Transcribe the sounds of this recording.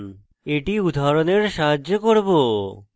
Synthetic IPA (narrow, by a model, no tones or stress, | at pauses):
n | eʈiud̪ʱaɾoneɾʃaɦaʑokoɾbo